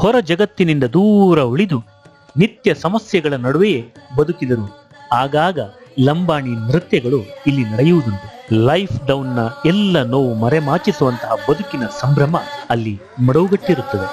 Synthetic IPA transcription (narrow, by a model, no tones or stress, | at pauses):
hɔɾɐd͡ʒɐɡɐt̪ːinind̪ɐd̪uːɾɐuɭid̪u | nit̪jɐsɐmɐsjɐɡɐɭɐnɐɽuʋeje̞bɐd̪ukid̪ɐɾu | aːɡaːɡɐlɐmbaːɳimɾɯt̪jɐɡɐɭuilːinɐɽejuʋud̪unt̪ulɐjpʰɖ̪ɐwnːɐɛlːɐnoːʋumɐɾemaːt͡ʃisuʋɐnt̪ɐɦɐbɐd̪ukinɐsɐmbɾɐmɐɐlːi | mɐɽɐʋuɡɐʈːiɾut̪ːɐde